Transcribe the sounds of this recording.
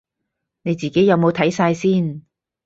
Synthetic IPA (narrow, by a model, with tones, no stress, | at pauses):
ne˨˧jt͡siː˨˩ke˨˥jɐ˨˧wmo˨˧wt̪ʰɐ˨˥jsaː˧jsiː˥˩n